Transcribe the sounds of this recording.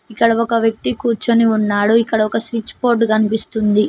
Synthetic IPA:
ikːɐɽɐɔkɐʋjɐk̚t̪ikuːɾt͡ʃɐniunːaːɽuikːɐɽɐɔkɐsʋit͡ʃːpoːɾʈkɐnipist̪und̪i

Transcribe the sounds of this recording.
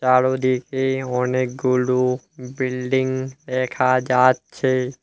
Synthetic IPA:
t͡ʃaːɽod̪ikʰeoːneɡuɽu | bɪlɖɪ̃ŋɡɾeːkʰad͡ʒaːt̪̚t͡ʃʰe

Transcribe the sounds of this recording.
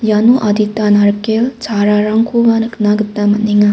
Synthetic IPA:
januʔad̪it̪anaɾkelt͡sʰaɾaɾaŋkʰuʋanɨknaɡɨt̪ːamɐniŋa

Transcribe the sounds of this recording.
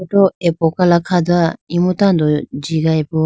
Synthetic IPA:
ot̪oepokalakʰad̪ɯaimɯt̪ãnd̪od͡ʑiɡaepɯ

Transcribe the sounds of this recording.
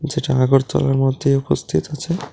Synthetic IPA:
d͡ʑeʈaaɡoɾt̪ɔ̰laɾmɔd̪ʱːejupost̪ʰit̪at͡ɕʰe

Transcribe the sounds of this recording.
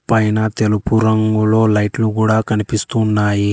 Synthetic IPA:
pɐjnɐt̪elupuɾɐŋɡulo̞ːlɐjʈlukuːɽaːkɐnipist̪unːaːji

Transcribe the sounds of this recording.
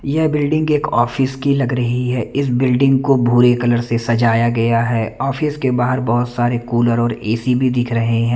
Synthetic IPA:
jɛɦbɪlɖɪ̃ŋɡeːkɔːfɪskilɐɡɾɐɦiɦɛːɪs̬bɪlɖɪ̃ŋɡkobʱuːɾekɐləɾsesɐd͡ʒaːjaɡɐjaɦɛːɔːfɪskebaːɦəɾbɐɦʊt̪saːɾekuːləɾɔːɾeːsibʱid̪ɪkʰɾɐɦeɦɛ̃ː

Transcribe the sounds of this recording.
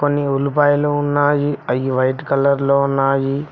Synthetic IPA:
konːiulupaːjluːunːaːjiɐjiʋɐjʈkɐlɐɾloːunːaːji

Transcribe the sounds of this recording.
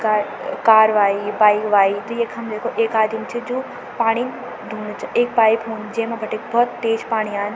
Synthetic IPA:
ka | kaːɾʋaːibaːikʋaːit̪ɐjeːkʰɦɐmd̪eːkʰoʔeːkaːd̪imt͡ʃʰid͡ʑoː | paːɽ̃in | d̪ʱuːnt͡ʃʰɐeːk̚paːipɦoːnd͡ʑɐ̃ɦmãbʱɐʈekbʱɔːt̪ːeːd͡ʒpaːɽ̃iaːɦɪn

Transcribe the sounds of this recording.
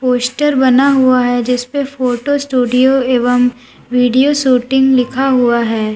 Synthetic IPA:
poːsʈəɾbɐnaɦuaɦɛd͡ʒɪspefoːʈosʈuːɖijoeːʋəm | ʋiːɖijoʃuːʈɪ̃ŋɡlɪkʰaɦuaɦɛː

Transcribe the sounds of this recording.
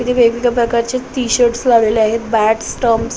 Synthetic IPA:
kit̪ʰiebejʋikapɾəkaɾt͡ɕet̪iɕəɾʈslaʋleleaɦet̪̚bæʈsʈəms

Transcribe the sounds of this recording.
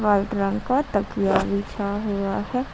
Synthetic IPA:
ʋaːlʈɾə̃ŋɡkat̪ɐkijaʋit͡ʃʰaɦuːaɦɛ

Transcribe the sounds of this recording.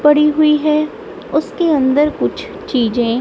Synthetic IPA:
bɐɽiɦʊiɦɛː | ʊskeɐ̃nd̪əɾkʊt͡ʃʰ | t͡ʃiːd͡ʒẽː

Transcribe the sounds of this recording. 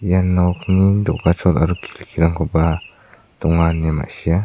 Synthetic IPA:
janɔknidɔ̰ʔɡat͡ʃɔt̪aɾukʰi̥lkʰiɾaŋkʰɔpa | t̪ɔŋanɛma̰ʔsia

